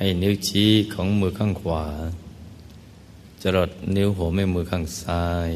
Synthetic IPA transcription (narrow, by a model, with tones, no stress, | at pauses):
ha˧˩jni˦˥wt͡ɕʰiː˦˥kʰɔː˩˦ŋmɯː˧kʰaː˥˩ŋkʰwaː˨˩˦ | t͡ɕa˧ɾo˨˩t̪̚ni˦˥wɦoː˨˩˦ma˧˩jmɯː˧kʰaː˧˥˩ŋsaː˧˥j